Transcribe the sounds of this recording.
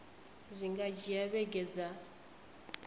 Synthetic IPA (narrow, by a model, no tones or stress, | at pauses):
zʷiŋɡad͡ʒiaβɛɡɛd͡za